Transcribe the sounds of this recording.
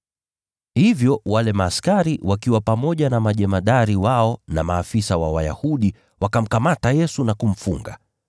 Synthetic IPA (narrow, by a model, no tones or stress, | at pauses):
hivjɔwalɛmaːskaɾiwakiwapamɔʄanamaʄɛmaɗaɾiwaɔna̰maːfisawa̰waja̰huɗi | wakam̩kamatajɛsunakum̩fuŋɡa̰